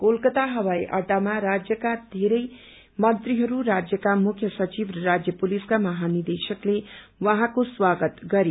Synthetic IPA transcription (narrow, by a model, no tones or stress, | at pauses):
kolkʌt̪aɦʌwajʔʌ̰ʈamaɾad͡zjʌkad̪ʱeɾʌj | mʌnt̪riɦʌɾuɾad͡zjʌkamukʰjʌsʌt͡ʃibɾʌɾad͡zjʌpuliskamʌɦanid̪esʌklewʌɦãkoswaɡʌt̪ɡʌɾi